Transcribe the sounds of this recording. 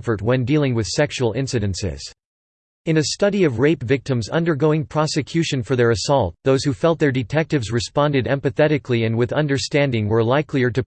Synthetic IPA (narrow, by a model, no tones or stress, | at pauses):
fə˞t̚wə̃ndilˠɪ̃ŋwɨð̥sɛkʃul̩ˠɪ̃nsɨɾɨ̃nsɪ̰z̥ | ɨ̃nɨstʌɾiʌvɹeɪpvɪk̚tɨ̃mzʌ̰̃ndə˞ɡoʊɪ̃ŋpʰɹ̥ɑsɨkʰj̥ʉʃɨ̃nfə˞ðə˞ɨsɔlˠt̪̚ðoʊz̥hufɛlˠt̪̚ðə˞dɨtʰɛk̚tɨvzɹɨspɑ̃ndɨɾɛ̰̃mpɨθɛɾɨkʰliɨ̃nwɨðʌ̃ndə˞stæ̃ndɪ̃ŋwə˞laɪkʰliə˞ɾɨ